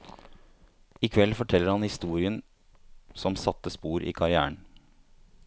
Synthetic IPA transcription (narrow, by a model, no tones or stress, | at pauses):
ɪkʰʋɛlːfɔʈʰɛlːəɾhɑnhɪst̪uːɾɪən | sɔmsɑt̪ːəspuːɾʔḭːkʰɑɾɪæ̰ːəɳ